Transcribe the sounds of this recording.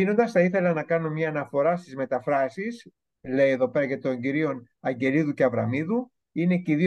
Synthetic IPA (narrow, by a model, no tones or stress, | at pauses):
ino̞nd̪ɐsθɐiθe̞lɐnɐkɐno̞mɲɐːnɐfo̞ɾɐst̪izme̞t̪ɐfɾɐsis | le̞ie̞ðo̞pe̞ɾɐʝɐt̪o̞ɲɟiɾio̞n | ɐɲɟe̞liðuce̞ɐvɾɐ̰miðu | ineciði